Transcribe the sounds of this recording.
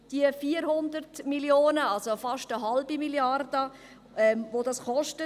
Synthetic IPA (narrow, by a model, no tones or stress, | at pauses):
d̥iəfiːəɾhʊndəɾtmiljoːnəɑlsofɑʃtəɦalbimiliɑrdə | ɛmvodɑsχɔʃtə